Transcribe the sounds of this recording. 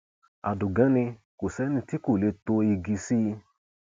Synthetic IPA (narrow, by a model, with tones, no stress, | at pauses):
a̰˨du˨ɡã˨˦nĩ˧ | ko˨sɛ˨˦nĩ˧ti˦ku˦˨le˧to˧i˧ɡi˧si˦˧